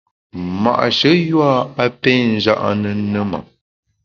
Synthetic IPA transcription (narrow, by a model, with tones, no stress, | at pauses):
ma̰˨ʔʃə˨˦jwa˦a˦pɛ˦n̩˦˨d͡ʒa̰˦ʔnə˨nə˦ma̰˨